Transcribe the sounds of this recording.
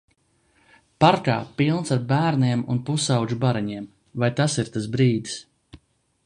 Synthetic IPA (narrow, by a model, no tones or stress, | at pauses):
paɾka̰ːpilˠnsaɾbæːɾniɛmunpusawd͡ʒubaɾɛɲiɛm | vajt̪asiɾt̪asbɾiːd̪is